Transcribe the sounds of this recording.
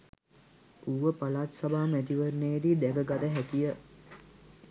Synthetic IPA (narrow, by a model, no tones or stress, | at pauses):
uːʋəpalaːt̪sabaːmæt̪̬iʋəɾnejed̪id̪æɡəɡad̪əɦækijə